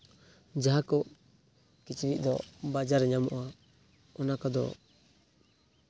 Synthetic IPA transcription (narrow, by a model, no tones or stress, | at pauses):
d͡ʒaɦakɔ | kit͡ʃiβiʔd̪ɔ̰bad͡ʒaɾɛɲamɔʔa | ɔnakɔd̪ɔ̰